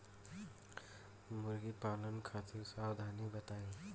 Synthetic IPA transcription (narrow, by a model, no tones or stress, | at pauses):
muɾɡipalʌnkʰat̪iɾsawd̪ʱanibət̪ajl